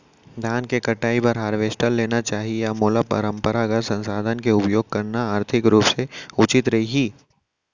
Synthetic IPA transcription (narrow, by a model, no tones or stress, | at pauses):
d̪ʱjaːnkekɐʈaːipɐɾɦaːɾʋeːsʈəlːeːnat͡ʃaːɦiejamoːləpɐ̰ɾə̃mpəɾaɡəsɐ̃nsaːd̪ʱənkeʊpjoːɡ̚kɐɾnaaːɾt̪ʰɪkɾuːpseʊt͡ʃɪt̪ɾɐɦiɦiː